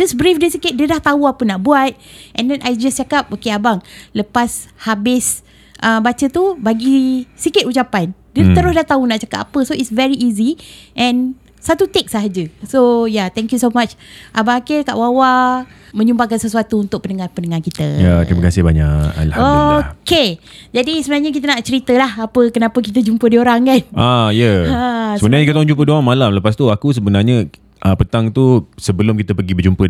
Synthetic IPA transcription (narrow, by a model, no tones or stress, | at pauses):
d͡ʒasbɾifdəsikɪt̪̚diədaht̪auapənaʔbuat̪̚ʔɛ̃ndɛnʔajd͡ʒast͡ʃakap̚okeabaŋləpashabɪs | ʔəmbat͡ʃət̪ubaɡisikɪt̪ut͡ʃapandət̪əɾʊsdaht̪aunaʔt͡ʃakapa̰pəsoitsvɛɹiʔiziʔɛ̃n | sat̪ut̪ek̚saɦad͡ʒəsojat̪ɛ̃ŋkjusomat͡ʃʔabaakeka̰ʔwawa | mə̃ɲumbaŋkansəsuat̪uːnt̪ʊk̚pənəŋarpənəŋarkit̪əjat̪ɾiməkasɪhbaɲa̰ka̰lahoked͡ʒadisəbənarɲək̬it̪ənaʔt͡ʃəɾit̪əlahapəkənapək̬it̪əd͡ʒumpədioɾaŋkanʔajəasəbənaɾɲəkt̪t̪aŋd͡ʒumpədoaŋmalamləpast̪uakus̬əbənarɲə | ʔəpət̪aŋt̪usəbəlʊmkit̪əpəɡibəd͡ʒumpə